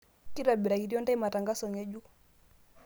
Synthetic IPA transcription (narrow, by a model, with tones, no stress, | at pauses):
ki˦ɾa˨bi˨ɾa˨ɡi˨ɾjɔ˦nda˦i˦ma˨ta˨ŋɡa˦sɔ˨ŋe˦d͡ʒu˦